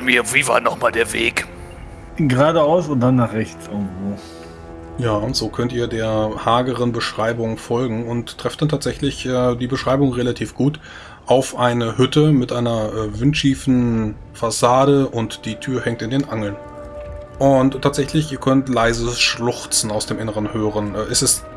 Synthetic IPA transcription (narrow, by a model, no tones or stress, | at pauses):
miːɐviːva̰ːnɔχmaːldeːɐvḛːk | ɡəʁaːdəaʊsʊnt̚d̥anːaːχʁɛçt͡sʔɪɐɡŋ̩tv̥oː | jaːʊntz̥oːkʰœntiːɐdeːɐhaːɡəʁənbəʃʁ̥aɪbʊŋfɔlɡŋ̩ʊnttːʁ̥ɛftd̥antʰaːtz̥ɛçlɪçʔɛːdiːbəʃʁ̥aɪbʊŋʁelatʰiːfɡ̥uːt | ʔaʊfʔaɪnəhʏtəmɪtʔaɪnɐʔɛːvɪntʃiːfn̩ | fasaːɾəʔʊntd̥iːtʰyːɐhɛŋk̚tɪndeːnʔaŋl̩n | ʔʊnttʰːaːtz̥ɛçlɪçʔiːɐkʰœntlaɪzəsʃlʊχt͡sn̩aʊsd̥eːmʔɪnəʁ̞ənhøːʁənʔɛːʔɛsɛst